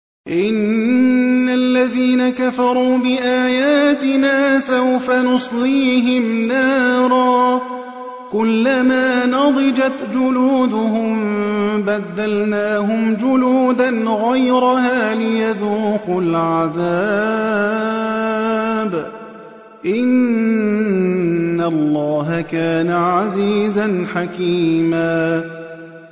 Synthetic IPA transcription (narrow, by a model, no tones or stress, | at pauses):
ʔɪnː | alːaðiːnakafɑɾˤuːbɪʔaːjaːt̪ɪnaːsawfanʊsˤliːɦɪmnaːɾˤɑː | kʊlːamaːnɑd̪ˤɨd͡ʒat̪d͡ʒʊluːd̪ʊɦʊmbad̪ːalnaːɦʊmd͡ʒʊluːd̪anɣajɾahaːlɪjaðuːqʊlʕaðaː | b | ʔɪn | alˤːɑːɦakaːnaʕaziːzanħakiːmaː